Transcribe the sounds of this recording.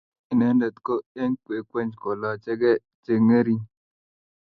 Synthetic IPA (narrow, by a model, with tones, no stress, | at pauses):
i˦ne˨˦nde˨t̪ko˦e˦nkwe˨kwe˦ɲd͡ʒkɔ˨lɔ˨t͡ʃɛ˦ɡɛ˦ | t͡ʃe˨ŋe˦ɾi˦